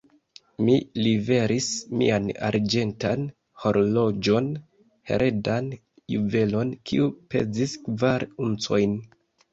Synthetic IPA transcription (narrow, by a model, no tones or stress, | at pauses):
milive̞ɾʔismḭana̰ɾd͡ʒe̞ntan | ho̞ɾlo̞d͡ʒo̞n | he̞̰ɾʔe̞dan | juve̞lo̞nkʰiupe̞̰ziskvaɾunt͡so̞jn